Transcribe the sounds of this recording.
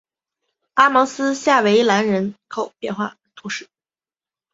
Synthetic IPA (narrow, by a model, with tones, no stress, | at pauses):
a˥mɔ˧˥sɹ̩˥ɕja˥˩we˧˥ɪla˧˥nɻə˧˥nkʰo˨˩ʊpjɛ˥˧nxwa̰˥˩ | t̪ʰu˧˥ʂɻ̩˥˩